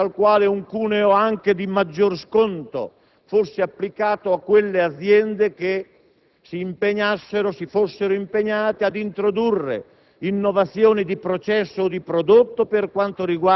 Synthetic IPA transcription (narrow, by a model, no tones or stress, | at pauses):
alkwaːleuŋkuːneoaŋk̟ed̪imad͡ʒːorskont̪o̰ | fosːeapːlikaːt̪oakːwelːead̪zjɛnd̪eke | siːmpeɲasːeɾosifosːeɾoimpeɲaːt̪ead̪int̪ɾod̪urːḛ | inːovat̪sːjoːnid̪ipɾot͡ʃɛsːoːd̪ipɾod̪ot̪ːoperkwant̪oɾiɡwa